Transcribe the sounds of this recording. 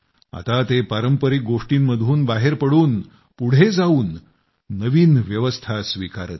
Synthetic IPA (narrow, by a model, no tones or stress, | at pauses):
a̰t̪at̪epaɾəmpəɾiːk̚ɡoʂʈiːnməd̪ʱuːnbaɦeɾpəɽuːn | puɽ̤ed͡zauːnː | əʋiːnʋjəʋəst̪ʰasʋikaɾə̰t̪̚